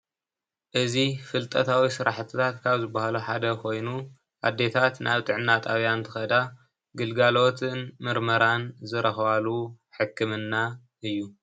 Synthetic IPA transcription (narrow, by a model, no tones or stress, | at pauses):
ʔɨzifɨlt̪ʼɐt̪ʰawisɨɾaħt̪ʰɨt̪ʰat̪kʰaβzɨbːahaluħad̪ɐkʰo̞jnu | ʔa̰d̪ːe̞t̪ʰat̪nʔaβt̪ʼɨʕnːat̪ʼaβjant̪ʰɨ̥xɐd̪a | ɡɨlɡalo̞t̪ʰɨnmɨɾmɐɾanzɨɾʔɐxβaluħɨkʰːɨmɨnːa | ʔɨjːu